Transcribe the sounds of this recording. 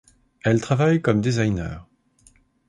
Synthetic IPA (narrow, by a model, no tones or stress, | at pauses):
ɛlt̪χavajkɔmd̪ezajnœ̰ːʁ